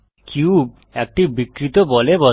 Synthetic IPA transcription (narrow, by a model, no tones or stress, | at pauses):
kʰjub | ek̚ʈibikɾit̪obɔlebɔ